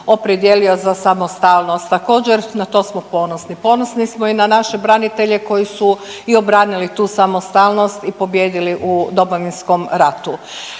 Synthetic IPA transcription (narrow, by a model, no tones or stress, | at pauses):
o̞pɾed̪je̞lio̞zasamost̪alno̞st̪ːako̞ːd͡ʑeɾnat̪o̞ːsmopo̞nosnipo̞nosnismoinanaʃe̞bɾanit̪e̞ʎe̞ko̞jisuio̞bɾanilit̪uːsamost̪alˠno̞st̪ipo̞bje̞ːd̪iliʔud̪o̞moʋinsko̞mɾat̪u